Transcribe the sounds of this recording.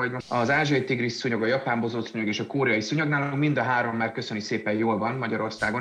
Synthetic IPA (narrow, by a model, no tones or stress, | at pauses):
oɟmoɒzaːʒojit̪iɡrisːuɲo̞ɡɒjɒpaːmbozoːt̪suɲoɡeːʃɒkoːɾɛjɒjisuɲoɡnaːloŋmind̪ɒɦaːɾo̞mːaːrkø̞sønykseːpɛjjoːlvɒnmɒɟɒɾo̞rsaːɡon